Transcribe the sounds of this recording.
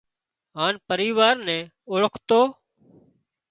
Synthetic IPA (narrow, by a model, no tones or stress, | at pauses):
ɦaːnpəɾiːʋaːɾnɛ̃ː | oɭəkʰt̪oː